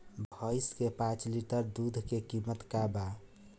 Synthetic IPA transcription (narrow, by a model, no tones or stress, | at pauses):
bʱɔɪskepãt͡ʃliʈəɾd̪ud̪ʱkekimət̪kaba